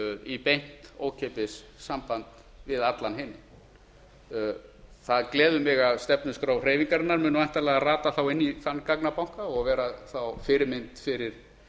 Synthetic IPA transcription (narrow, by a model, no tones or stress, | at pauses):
ipejn̥t̪o̰ːwcʰepɪsːampant̪ | vɪðat̪lanɦɪnːɪ̰ | θaðklɛːðʏmɪɣavst̪ɛpnʏskɾaːwr̥eːjviŋkaɾɪnːaɾmʏːnʏajnt̪alɛɣaraːt̪aθawɪnːiθanːkaknapawŋ̥kaɔɣvɛːɾaθawfɪɾɪmɪnt̪fɪɾɪɾ̥